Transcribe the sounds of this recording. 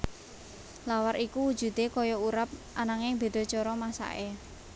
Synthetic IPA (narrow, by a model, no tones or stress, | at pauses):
lawaɾʔikuwud̥d͡ʒ̥ṳd̪̥ekɔjɔuɾap̚ʔanaŋɪŋb̥e̤d̪̥ɔ̤t͡ʃɔɾɔmasa̰ʔe